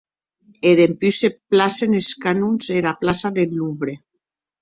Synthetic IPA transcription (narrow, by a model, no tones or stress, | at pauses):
eðempyseplaseneskanunzelaplasaðeluβɾe